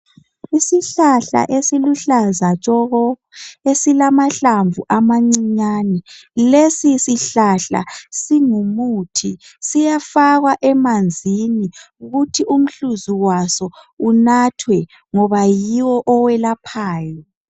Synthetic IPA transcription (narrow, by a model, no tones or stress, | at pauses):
isiɬaɬa̰ʔesiluɬazat͡ʃʼɔɣɔ | esilamaɬaɱvuʔamaŋ͡ǀiɲanɛlesisiɬaɬa̰siŋumutʰisijafaɣwaʔɛmand͡zʱini | uɣutʰiʔum̩ɬuzuwasɔ | unatʰwɛ | ŋɔβajiwɔʔɔwɛlapʰaːjɔ